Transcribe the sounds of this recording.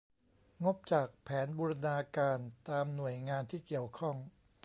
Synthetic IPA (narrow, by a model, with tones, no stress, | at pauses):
ŋo˦˥p̚t͡ɕaː˨˩k̚pʰɛː˩˦˥nbuː˧ɾa˧naː˧kaː˧nt̪aː˧mnu˨˩əjŋaː˧nt̪ʰiː˥˩ki˨˩əwkʰɔ˥˩ŋ